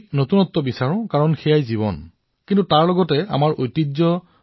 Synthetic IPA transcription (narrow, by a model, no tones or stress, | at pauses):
notunɔtːɔbisaɹɔ̃kaɹɔnxɛjajziβɔ̰n | kintutaɹlɔɡɔtɛa̰maɹʔojtizɔ